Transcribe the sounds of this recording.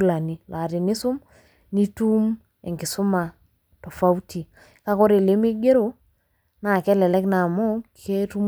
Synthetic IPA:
la˨ni˦la˨ɾɪ˨nɪ˦sʊ˦m | ni˦tu˦m | ɛ˨ŋɡɪ˨sʊ˦ma˨ | tɔ˨fa˦u˦ti˨ | ka˦kɔ˦ɾe˨le˨˦mi˦ɡe˦ɾo˨ | na˨kɛ˦lɛ˨lɛ˦kna˨mɔ˦kʰe˦tu˦m

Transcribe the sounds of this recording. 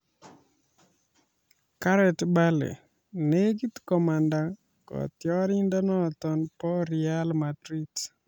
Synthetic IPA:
ka˦ɾɛ˨tba˦lḛ˨ | ne˦ɡi˦t̪kɔ˨ma˨nda˦ | kɔ̰˨t̪jɔ˦ɾi˦ndɔ˦nɔ˦t̪ɔ˨npɔ˦ɾia˦lmadɾi˦t

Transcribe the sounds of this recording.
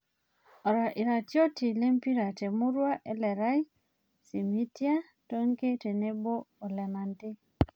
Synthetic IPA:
ɔ˨ɾa˨ʔi˨ɾa˨tjo˦ti˨le˦mpi˦ɾa˨te˨mu˦ɾwa˦ʔe˨lɛ˨ɾa˦i˦ | si˨mi˦tja˦ | to˦ŋke˦te˨ne˦boː˦˨le˨ma˨nti˦

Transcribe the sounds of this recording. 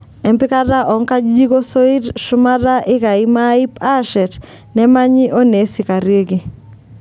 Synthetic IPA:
ɛ˨mpɪ˦ka˦ɾa˦ʔɔ˨ŋka˦d͡ʒd͡ʒi˦ko˦so˦i˦dʃʊ˦ma˦ɾa˦ʔɪ˦ka˨ɪ˦ma˦i˦pa˦ʃɛ˨t | nɛ˦ma˦ɲɪ˦ʔo˦ne˨sɪ˨ka˨ɾje˦ɡi˨

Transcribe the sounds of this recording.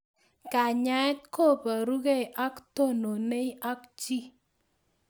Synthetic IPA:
ka˨ɲa˨˦ɛ˦t̚ko˦˨pa˨ɾu˦ke˦˨ʔa˦kto˦˨no˨ne˦i˦a˦kt͡ʃi˦

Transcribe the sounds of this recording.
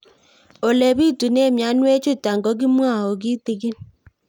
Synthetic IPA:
o˨le˨bi˦˨tu˨ne˦˨mja˨˦nwe˦t͡ʃʊ˦ta˨ŋɡɔ˨˦ɡ̬i˦mwa˦˨o˨ɡi˦te˨ɡi˦n

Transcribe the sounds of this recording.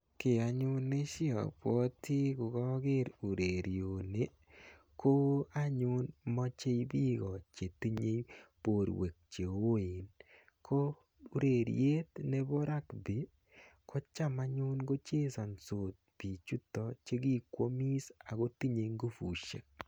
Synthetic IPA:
kɪ˨a˨ɲʊ˦ne˦ʃɪ˦ɔ̰˨pwɔ˦tɪ˦ɡʊ˨ɡɔ˦ɡɪ˦ɾu˨ɾe˨ɾi˨o˨ne˦ | ko˦a˦ɲʊ˦nmɔ˦t͡ʃe˦i˦bi˦ɡɔ˨t͡ʃe˨t̪i˦ɲe˦jpo˨ɾwe˨k̚t͡ʃe˨o˨wo˦e˨n | kʰo˦ | ɾe˨ɾ̰je˦t̪nɛ˦bo˦ɾa˦kbi˨ | kʰɔ˦t͡ʃa˦ma˨˦ɲʊ˦nɡo˦t͡ʃe˦sɔ˨nso˨t̪̚b̥i˨t͡ʃu˦t̪ɔ˨t͡ʃe˦ɡi˦kwo˦mi˦sa˨ɡo˦t̪i˦ɲe˨ŋɡu˦fu˨ʃḛ˨

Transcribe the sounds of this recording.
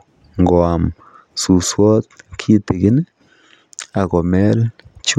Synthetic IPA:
ŋɡo˨a˨m | su˨swo˦t̪̚kʰi˦t̪e˨ɡi˦n˦ | a˨ɡo˨me˦lt͡ʃu˦

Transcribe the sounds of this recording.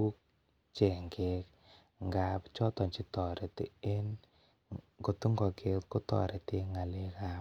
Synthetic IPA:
u˦k̚ | t͡ʃe˨ŋɡe˦k̚ | ŋɡa˨pt͡ʃɔ˦tɔ˨nt͡ʃi˦tɔ˨ɾe˨tḛ˨e˦n | ko˨tu˦ŋɡɔ˨kʰe˦tko˦tɔ̰˨ɾe˨te˧ŋa˨le˦ka˦p

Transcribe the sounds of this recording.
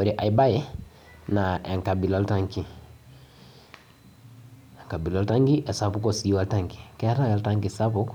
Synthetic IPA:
o˨ɾi˨ʔa˨i˨ba˦jɛ˦ | na˨ɛ˨ŋka˨bi˨lɔ˦lta˦ŋki˨ | ɛ˨ŋka˨bi˨lɔ˦lta˦ŋɡi˦ʔɛ˨sa˦pu˦kɔ˦˨si˨i˦wa˦lta˦ŋki̥˨kɛ˦ta˦ja˨lta˦ŋki˨sa˦pʊ˦k

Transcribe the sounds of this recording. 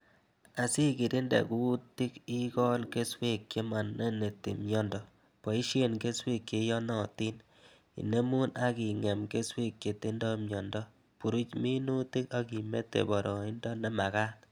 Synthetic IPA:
a˨si˦ki˨ɾi˦ndḛ˨ku˦ti˦ki˦kɔ˦lke˦swe˦kke˦ma˨nːe˦ne˨tḭ˨mjɔ˦ndɔ˨ | po˨i˦ʃe˦˨nke˦swe˦kje˨jɔ˦nɔ˦˨ti˦n | ḭ˨ne˦mu˦na˦ki˨ŋɛ˨mke˦swe˦kːe˨ti˦ndɔ˦mjɔ˨ndɔ˦ | pu˨ɾu˦t͡ʃmi˦nu˦ti˦ka˦ki˨me˦tːḛ˨bɔ˨ɾɔ˨i˦ndɔ˦ne˦ma˨ka˦t̚

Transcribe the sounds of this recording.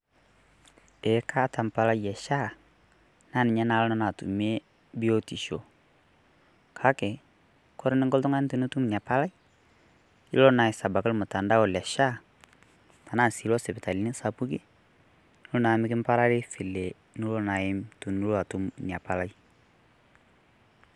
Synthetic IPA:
ɛ˨˦ka˦ta˨mpa˨la˦jjɛ˨ʃa˦ | na˦˨nɪ˨ɲa˦na˨˦lɔ˦na˦na˨tṵ˨me˦ | bi˦o˦ti˨ʃo˨ | kʰa˦kɛ˨ | kɔ˦ɾɪ˦nɪ˦ŋkɔ˦ltʊ˦ŋa˦n˦tu˨nu˦tu˦m˨n˨a˨pa˦la˦i˦ | i˦lɔ˦na˨ɪ˨sa˨ba˨kɪ˦lmʊ˨ta˨nda˦ʊ˨lɛ˨ʃa˦ | ta˨na˦˨si˨lɔ˦sɛ˨bɛ˨ta˨li˨˦nɪ˦sa˨pu˦kɪ˦ | lʊ˦na˨˦mɪ˦kɪ˦m˦pa˦ɾa˦lɪ˦fɪ˨lɛ˨ | nu˦lɔ˦na˨ɪ˦mtu˨nu˦la˨tu˦mni˨a˨pa˨la˦i˦

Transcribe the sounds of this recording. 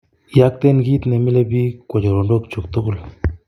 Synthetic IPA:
ja˦k̚t̪e˦nɡi˦t̪ne˨mi˦le˦bi˦kʷo˨d͡ʒo˨ɾo˨ndo˦kt͡ʃu˨kt̪o˦ku˦˨l

